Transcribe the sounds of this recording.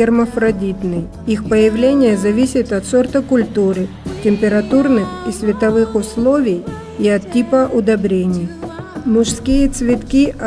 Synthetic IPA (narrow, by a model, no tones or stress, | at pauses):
erməfɾɐdʲit̪nɨj | ixpəjɪvlʲenʲɪjəzɐvʲisʲɪt̪ɐt̪sort̪əkʊlʲt̪uɾɨ | tʲɪmʲpʲɪɾɐt̪urnɨxisvʲɪt̪ɐvɨxʊslˠovʲɪj | iɐt̪ʲːipəʔʊd̪ɐbɾʲenʲɪjmʊʂskʲijət̪svʲɪt̪kʲi